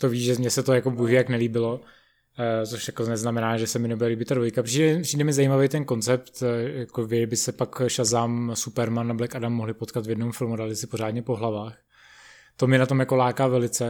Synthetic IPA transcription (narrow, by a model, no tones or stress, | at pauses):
t̪o̞viːʒɛmɲɛsɛt̪ojakobuɦijaknɛliːbɪlo | t͡soʃjakonɛznamɛnaːʒɛsɛmɪnɛbudɛliːbɪt̪ːadvo̞jkapr̥iːdɛr̥iːdɛmɪzajimavɛjt̪ɛnko̞nt͡sɛp̚t̪jakovɪbɪsɛpakʃazaːmsupɛɾmanːablɛkadamːoɦlɪpot̪kat̪vjɛdnomfɪlmudaːlɪsɪpo̞ɾaːdɲɛpo̞ɦlavaːx | t̪o̞mɛnat̪o̞mjako̞laːkavɛlɪt͡sɛ